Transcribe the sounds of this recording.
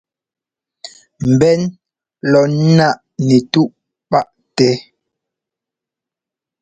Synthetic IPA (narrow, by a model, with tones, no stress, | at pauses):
m̩˨bɛ˦n | lɔ˨n˦na˦˨ʔ | nɛ˨tu˦ʔ | pa˦˨ʔ | tɛ˦